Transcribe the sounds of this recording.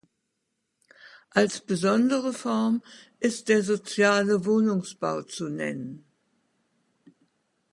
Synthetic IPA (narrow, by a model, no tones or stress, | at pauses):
ʔalsb̥əzɔndəʁəfɔɐmʔɪst̚d̥eːɐzot͡sjaːləvoːnʊŋsb̥a̰ʊt͡sunɛ̰nən